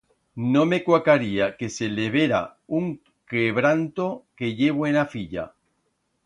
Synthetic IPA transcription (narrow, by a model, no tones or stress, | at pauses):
nome̞kwakaɾiake̞seleβ̞eɾa̰uŋ | keβɾant̪oke̞ʎe̞β̞oenafiʎa̰